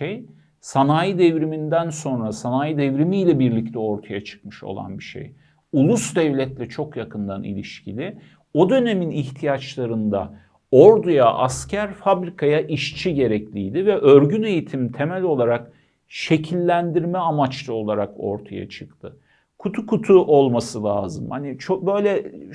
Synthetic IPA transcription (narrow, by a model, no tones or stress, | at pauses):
ej | sanaːjid̪ɛvɾimind̪ænso̞nɾasanaːjid̪ɛvɾimiːlʲɛbiɾlʲic̚t̪ʰɛo̞ɾt̪ʰajat͡ʃʰɯ̥kmɯʃo̞̰lˠa̰nbiʃḛj | ulˠusd̪ɛvlʲɛt̪lʲɛt͡ʃʰo̞kjakʰɯnd̪anḭlʲiʃcʰilʲɪ | o̞d̪ø̞ne̞miniçt̪ʰijat͡ʃlˠaɾɯnd̪a̰ | oɾd̪ujaʔascʰæɾfabɾikʰajaʔiʃt͡ʃʰiɟe̞ɾɛclʲijd̪ivɛʔøɾɟyne̞jit̪ʰimt̪ʰe̞mɛlʲo̞lˠaɾak | ʃe̞cʰilʲːænd̪iɾmɛamat͡ʃlˠao̞lˠaɾako̞̰ɾt̪ʰaja̰t͡ʃʰɯkt̪ʰɯ | kʰut̪ʰukʰut̪ʰuʔo̞lˠmasɯlʲˠaːzɯmhanit͡ʃʰobø̞jlʲɛ